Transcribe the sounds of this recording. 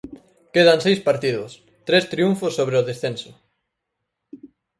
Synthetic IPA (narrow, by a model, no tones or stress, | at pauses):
keð̞ansejspaɾt̪iðʊs | t̪ɾest̪ɾiuɱfosːoβɾeoðesθẽnsʊ̥